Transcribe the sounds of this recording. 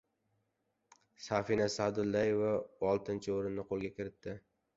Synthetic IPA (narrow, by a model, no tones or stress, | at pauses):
safinasad̪ʊlːajevaɒlˠt̪ʰɪnt͡ʃʰɪoɾɪnːɪqʰolˠɡʲakʲʰɪɾɪt̪ːɪ